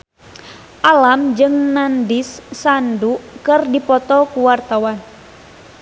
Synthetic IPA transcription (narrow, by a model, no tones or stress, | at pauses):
ʔalamd͡ʒɨŋnandisːandukɨrdipɔt̪ɔkuwart̪awan